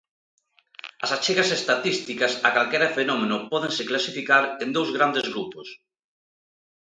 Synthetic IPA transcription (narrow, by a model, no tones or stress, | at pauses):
ɐsat͡ʃeɣɐsest̪at̪ist̪ikɐsakalkɛɾɐfenɔmenʊpɔðeŋseklasifikaɾend̪owzɣɾand̪ezɣɾupos